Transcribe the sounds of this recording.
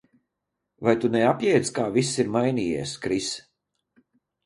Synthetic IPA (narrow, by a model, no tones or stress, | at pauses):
vajt̪unɛapjɛjd̪skaːvisiɾmajniːjɛ̰ɛskɾis